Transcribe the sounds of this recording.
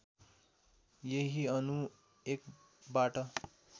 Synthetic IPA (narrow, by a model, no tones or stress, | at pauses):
jeɦiʌnu | ek | baʈʌ